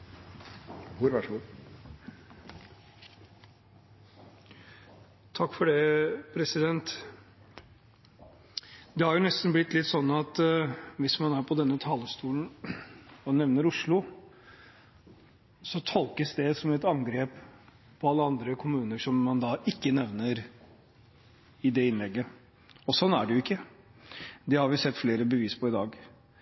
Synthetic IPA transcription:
uɾɑʂu | t̪ʰɑkːfɔɖɛpʰɾɛsɪd̪ɛnt̪ | d̪ɛhɑɾjʊnɛst̪nblɪt̪ːlɪt̪ːsɔnːɑt̪ʋɪsmɑnæːɾpʰɔd̪ɛnːət̪ʰɑːləst̪uːln | ɔnɛʋnəɾʊʂɭʊ | sɔt̪ʰɔlkəsd̪ɛsɔmɛt̪ɑŋɡɾeːp | pʰːɔɑlːəɑnd̪ɾəkʰʊmʉːnəʂɔmːɑnd̪ɑːʔɪkːənɛʋnəɾ | ɪd̪ɛɪnlɛɡːə | ɔsɔnːæɖɛjʊɪkːə | d̪ɛhɑɾʋɪsɛt̪ːfleːɾəbəʋiːspʰɔɪd̪ɑːɡ

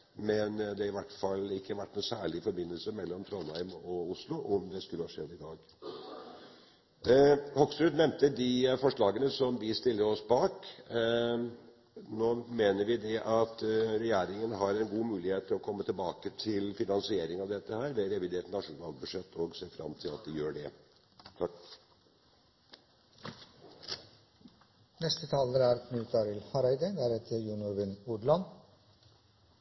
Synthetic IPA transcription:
mɛnd̪ɛɪʋæʈːfɑlːɪkːəʋæʈːnʊsæːɭɪfɔɾbɪnːəlsəmɛlːɔmt̪ʰɾɔnæɪmɔʊslʊʔɔmd̪ɛskʉlːəhɑʂɛd̪ːɪd̪ɑːɡ | hɔksɾʉd̪nɛmt̪əd̪ɪfɔʂɭɑːɡənəsɔmd̪ɪst̪ɪlːəɾɔsbɑːk | noːmeːnəɾʋɪd̪ɛʔɑt̪ɾɛjæːɾɪŋənɦɑɾɛnɡuːmʉːlɪheːt̪ʰɪlɔkʰɔmːət̪ʰɪlbɑːkət̪ʰɪlfɪnɑnsɪeːɾɪŋɑʋd̪ɛt̪ːəhæːɾʋɛɾɛʋɪd̪eːɾt̪nɑʂuːnɑl̚bʉʂɛt̪ʰːɔɡseːfɾɑ̰mt̪ʰɪlɑ̰t̪̚d̪ɛjøːɖɛ | t̪ʰɑ | nɛst̪ət̪ʰɑːləɾæɾkʰnʉt̪ɑɾɪlhɑɾɑɪd̪əd̪æɾɛt̪ʰəɾjunʊɾʋɪnʊɖlɑn

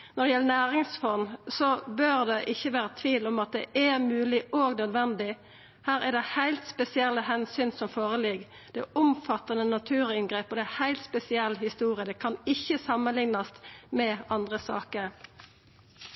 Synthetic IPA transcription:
nɔd̪ɛjɛlːənæːʁɪŋsfɔnsɔbøʁd̪ɛʔɪçːəʋæːʁət̪ʰʋiːlɔmɑt̪̚d̪ɛ̰ʔæmʉːlɪoːɡnœd̪ʋɛnd̪ɪ | hæːʁæɖ̪ɛhæɪlt̪spɛsɪɛlːəhɛnsyːnsɔmfoːʁəlɪɡ | d̪̥ɛʊmfɑt̪ːɑnənɑt̪ʰʉːʁɪnɡʁeːpɔd̪ɛæhæɪlt̪spɛsɪɛlːhɪst̪uːʁɪəd̪ɛkʰɑnɪçːəsɑmːənlɪŋnɑst̪mɛɑnd̪ʁəsɑ̰ːkəʁ

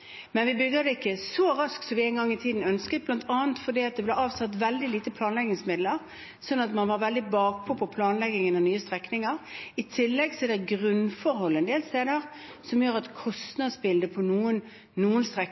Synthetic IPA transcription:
mɛnʋɪbʏɡ̪əd̪ɛɪkːəsɔɾɑskt̪sɔʋɪɛːnɡɑŋːɪt̪ʰiːd̪n̩œnskət̪blɑnt̪ʰɑːənt̪fɔd̪iːɑt̪̚d̪ɛblɛɑːʋsɑt̪ːʋɛld̪ɪliːt̪əpʰlɑːnlɛɡɪŋsmɪd̪ləɾ | sɔnːɑt̪mɑnʋɑɾʋɛld̪ɪbɑːk̚pʰɔpʰɔpʰlɑːnlɛɡɪŋənɛnyːəst̪ʁɛknɪŋəʁɪt̪ʰɪlːɛɡsɔɛd̪ɛɡʁʉnfɔɾhɔlːɛnd̪eːlst̪eːd̪əʁ | sɔmjøːɾɑt̪kʰɔst̪nɑd̪sbɪld̪əpʰɔnuːən | nuːənst̪ɾɛ

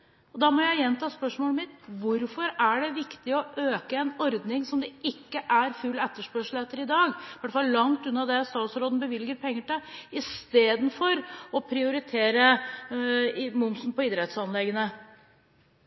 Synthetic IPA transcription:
ɔd̪ɑːmɔjæɪjɛnːt̪ʰɑːspœʂmoːləmɪt̪ʋʊɾfɔɾæɖɛʋɪkt̪ɪɔʔøːkəɛnɔɾd̪nɪŋsɔmd̪ɛʔɪkːəʔæɾfʉlɛt̪ːəʂpœʂl̩ɛt̪ːəɾɪd̪ɑːɡʋæʈːfɑlːlɑŋt̪ʉnːɑd̪ɛst̪ɑːt̪sɾoːd̪n̩bəʋɪlɡəɾpʰɛŋːəʈɪɪst̪eːd̪n̩fɔɾɔpʰɾɪʊɾɪt̪ʰeːɾə | mʊmsnpɔɪd̪ɾɛt̪sɑnlɛɡənə

